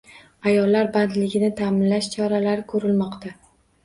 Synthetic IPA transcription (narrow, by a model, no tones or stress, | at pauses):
ajɒlːaɾbant̪lɪɡʲɪnɪt̪ʰaːmɪnlaʃt͡ʃʰɒɾalaɾɪkʰɵɾɪlmɒqt̪ʰa